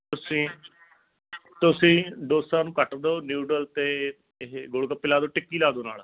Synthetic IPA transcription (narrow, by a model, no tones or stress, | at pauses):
t̪ʊsĩː | t̪ʊsĩːɖoːsãːnũːkəʈd̪oːnjuːɖəlt̪eː | ɡoɽɡəpːɪlaːd̪oːʈɪkːiːlaːd̪oːna̰ːl